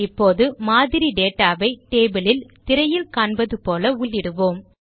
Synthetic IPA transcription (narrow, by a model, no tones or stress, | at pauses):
ɪpːoːðɯmaːðɪɾiɖeːʈːaːʋɐɪʈeːbɐlɪlt̪ɪɾɐjɪlkaːɳbɐðɯpoːlɐʊɭːɪɽɯʋoːm